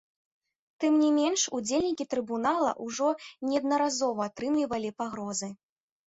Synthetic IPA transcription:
t̪ɨmnʲimʲɛnʂud͡zʲelʲnʲikʲit̪ɾɨbunalˠɐ̰ʔuʐɔnʲɛɐd̪nɐɾazɔvɐːt̪ɾɨmlʲivɐlʲipaɣɾɔzɨ

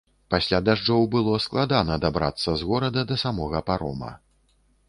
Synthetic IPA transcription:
pasʲlʲad̪aʐd͡ʐɔwbɨlˠɔsklˠad̪anɐd̪abɾa̰t̪sːɐzɣɔɾɐd̪ɐd̪ɐsamɔɣɐpaɾɔ̰mɐ̰

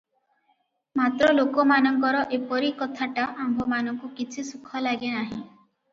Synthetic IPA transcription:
mat̪ɾɔlokɔmanɔŋkɔɾɔʔepɔɾikɔt̪ʰaʈaʔambʱɔmanɔŋkukit͡ʃʰisukʰɔlaɡenaɦḭ̃

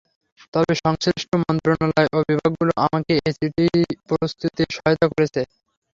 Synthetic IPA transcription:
t̪ɔbeʃɔŋsɾiʃʈomɔnt̪ɾonalaeʔobibʱaɡːuloʔamakeesiʈipɔɾist̪ʰit̪iʃɔɦot̪akoɾet͡ɕʰe

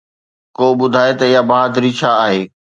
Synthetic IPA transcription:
koːbʊd̪ʱaːet̪ɐɪjabɐad̪ɾit͡ɕʰaːɦeː

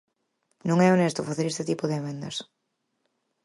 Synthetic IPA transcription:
nõŋɛonest̪ʊfaθeɾest̪ɪt̪ipʊðɪemẽnd̪ɐs

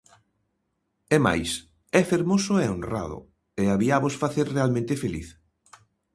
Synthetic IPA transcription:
ɛma̰js | ɛfeɾmosʊɛonra̰ðʊ̰ | eaβiaβosfaθeɾrealmẽnt̪efelḭθ

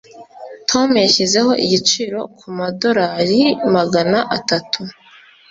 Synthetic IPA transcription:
tʰo̞mjaçize̞ho̞ʔiɟit͡ʃiɾo̞kʰumado̞ɾaɾimaɡanaʔatatʰu

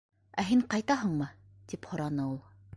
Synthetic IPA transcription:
æɦiɴqɑjt̪ɑɦɤ̆ɴmɤt̪iphŏɾɑnɤulˠ

